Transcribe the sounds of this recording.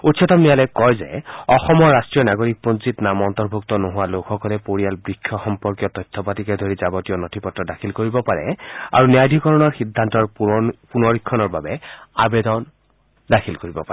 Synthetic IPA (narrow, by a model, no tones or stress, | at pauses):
utsɔtɔmnijalɛkɔjzɛ̰ɔxɔmɔɹːastɹijɔnaɡoɹik̚ponsitnamɔntɔɹbʱuktɔnoɦʊwalokʰɔkɔlɛpoɹijalbɹikʰːjɔxɔmpɔɹkjɔtɔjtʰːɔpatikɛdʱoɹizabɔtijɔnotʰipɔtːɔdakʰilkoɹibɔpaɹɛ̰a̰ɹunijajdʱikɔɹɔnɔɹxidʱːantɔɹpunɔɹikʰːɔnɔɹbabɛabedɔn | dakʰilkoɹibɔpaɛ